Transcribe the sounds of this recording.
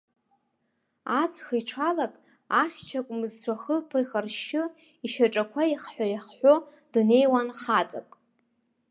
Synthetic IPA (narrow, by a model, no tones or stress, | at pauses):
at͡sʰʼxɨjʈ͡ʂʰalakʼ | aχʲt͡ʃʰakʷʼmɨzt͡ɕʷʰaxəlpʰaixarʃɪ | iʃaʈ͡ʂʼakʷʰaiχħʷᶣajaχħʷo | d̥une̞jwanχat͡sʼa̰kʼ